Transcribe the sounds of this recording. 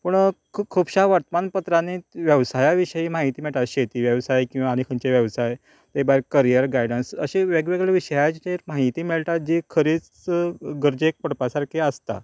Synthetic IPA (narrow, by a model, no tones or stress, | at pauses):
pəɳkʰkʰubɕaʋaɾt̪əmanpət̪ɾaneʋjəʋsajaʋiɕəimaɦit̪iːmiɭt̪at̪ɕet̪iːʋjəʋsajkĩw̃ʋaːñikʰənt͡ɕeʋjəʋsaj | t̪ebaɾkəɾijəɾɡajɽənsə̰ɕeʋeɡʋeɡɭeʋiɕəjad͡ʑt͡ɕemaɦit̪iːmiɭt̪at̪̚d͡ʑikʰəɾiːt͡s | ɡəɾd͡ʑek̚pəɽpasaɾkʰeəst̪a̰